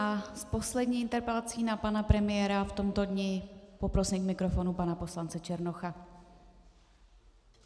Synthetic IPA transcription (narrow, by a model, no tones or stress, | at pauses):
ʔaspo̞slɛdɲiːʔɪnt̪ɛɾpɛlat͡siːnapanapɾɛmɪjɛɾaft̪o̞mt̪o̞dɲɪpo̞pɾo̞siːmkmɪkɾofo̞nupanapo̞slant͡sɛt͡ʃɛɾnoxa